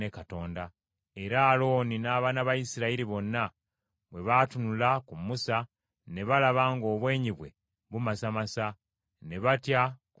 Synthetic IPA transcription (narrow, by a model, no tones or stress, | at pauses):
ekato̞ːnda | e̞ɾaːlo̞ːninaːβanaβajisiɾaiɾiβo̞nːa | βwe̞βatunulakumusa | ne̞βalaβaːŋɡo̞ːβwe̞ːɲiβwe̞̰ | βumasamasa | ne̞βatjak